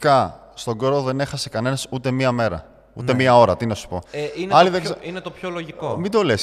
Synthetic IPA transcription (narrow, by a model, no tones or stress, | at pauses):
kɐ | st̪o̞ɡoɾoðe̞ne̞xɐse̞kɐne̞nɐsut̪e̞miɐme̞ɾɐ̰ | ṵt̪emiɐo̞ɾɐt̪inɐsu̥po̞inɐliðessɐinet̪opçoloʝikomid̪o̞les